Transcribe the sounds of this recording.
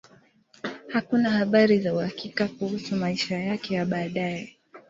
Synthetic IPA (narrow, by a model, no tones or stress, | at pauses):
hakunahaɓaɾizauhakikakuhusumaiʃajakɛjaɓaːɗajɛ